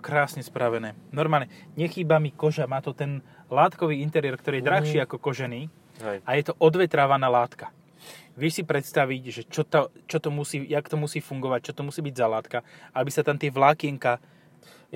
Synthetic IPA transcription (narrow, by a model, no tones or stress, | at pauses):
kɾaːsɲɛspɾaʋɛnɛːnɔɾmaːlɲɛɲɛxiːbamikɔʒamaːt̪ɔt̪ɛn | laːt̪kɔʋiːint̪ɛɾiɛɾkt̪ɔɾiːjɛd̪ɾaxʃiːakɔkɔʒɛniː | ajɛt̪ɔʔɔd̪ʋɛt̪ɾaːʋanalaːt̪ka | ʋɪɛʃsipɾɛt̪st̪aʋiɟʒɛt͡ʃɔt̪ɔt͡ʃɔt̪ɔmusiːjakt̪ɔmusiːfuŋɡɔʋac̚t͡ʃɔt̪ɔmusiːbiɟzalaːt̪kaabisat̪amt̪ɪɛʋlaːkɪɛŋka